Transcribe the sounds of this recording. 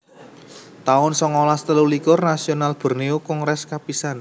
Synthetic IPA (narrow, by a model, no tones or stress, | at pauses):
t̪aʊnsɔŋolast̪əlulikʊrnasionalb̥ə̤rneokʊŋrɛskapisan